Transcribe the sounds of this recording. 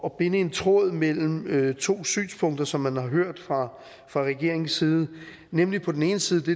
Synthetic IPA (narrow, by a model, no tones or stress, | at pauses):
ɒ̽b̥e̝nəe̝nt͡sʰʁɔð̞̰ˠmel̰m̩øt͡sʰo̝̰ːsy̰ːnspʰɔ̽ŋ̰d̥ɐsɒ̽mːænhɑ̈ɦøɐ̰d̥fʁɑ̈ | fʁɑ̈ʁɛɡ̥e̝ɐ̰e̝ŋsiːðˠə | nemlipʰɒ̽d̥ene̝ːnəsiːð̞̩ˠd̥e̝